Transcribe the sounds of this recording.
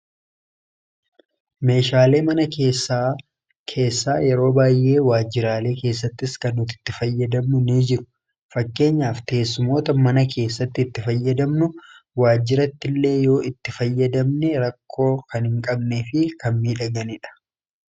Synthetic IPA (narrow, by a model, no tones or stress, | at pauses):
me̞ːʃaːle̞ːmɐnɐkeːsa | kʰe̞ːsːaːjɛɾo̞ːbaːjːe̞ːwaːd͡ʒːɪɾaːle̞ːke̞ːs̬ːɐt̪ːɪskɐnːʊt̪ɪ̥t̪ːɪfɐjːɐd̪ɐmnʊniːd͡ʒɪɾʊ̥ | fɐkːe̞ːɲːaːft̪e̞ːsːʊmo̞ːt̪ɐmɐnɐkʰe̞ːsːɐt̪ːɪːt̪ːɪfɐjːɐd̪ɐmnʊ | waːd͡ʒːɪɾɐt̪ːɪlːe̞ːjo̞ːʔɪt̪ːɪfɐjːɐd̪ɐmnɛɾɐkʰːo̞ːkɐnhɪŋkʼɐbneːfɪkɐmmiːᶑɐɡɐnɪᶑɐ̥